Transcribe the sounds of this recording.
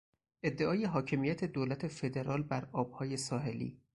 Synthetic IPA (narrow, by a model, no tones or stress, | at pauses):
ʔe̞d̪ːeʔɒːje̞ɦɒːcʰe̞mijæt̪ʰed̪oːlæt̪ʰe̞fe̞d̪e̞ɾɒːlbæɾɒːb̥̚hɒːje̞sɒːɦe̞lḭː